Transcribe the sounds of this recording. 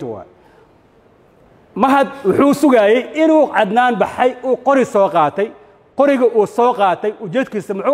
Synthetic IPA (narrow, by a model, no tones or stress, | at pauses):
wɑ̰ | mɐɦɐd̪wʊħuːsʊɣajɛjɪnuːʕɑd̪naːnbɑħɐjuːqɔɾɪsɔːqɑːt̪ʰɛj | qɔɾɪɣɐʔuːsɔːqɑːt̪ʰɛjʔʊt͡ʃɛːd̪kʰiːsɐmʊħuː